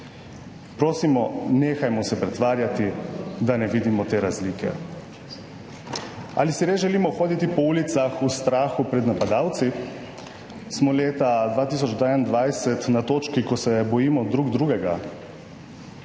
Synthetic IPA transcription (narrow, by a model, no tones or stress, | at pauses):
pɾoːsimɔneːxajmɔsɛpɾɛt̪ʋaːɾjat̪id̪anɛʋiːd̪imɔt̪eːɾazliːkɛ̰ | a̰lisiɾezʒɛliːmɔxoːd̪it̪ipɔuːlit̪saxust̪ɾaːxupɾɛd̪napad̪aːwt̪si | smɔleːt̪ad̪ʋaːt̪iːs̬ɔd͡ʒd̪ɛand̪ʋajsɛt̪nat̪oːt͡ʃkikɔsɛbɔjiːmɔd̪ɾuːɡd̪ɾuɡɛɡa